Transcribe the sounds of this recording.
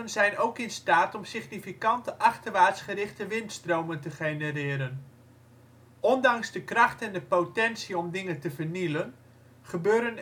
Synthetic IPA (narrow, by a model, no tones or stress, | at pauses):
ənzɛjnowkɪnstaːtɔmsɪχnifikɑntəʔɑχtərʋaːtsχərɪχtəʋɪntstrowməntəχenərɪːəɾən | ɔndɑŋzdəkrɑχtɛndəpotɛnsiɔmdɪŋəntəvərnilən | χəbøːɾən